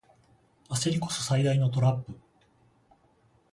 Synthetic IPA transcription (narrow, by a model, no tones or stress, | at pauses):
aseɾʲiko̞̥sosaid̪aino̞t̪o̞ɾapːɯ̟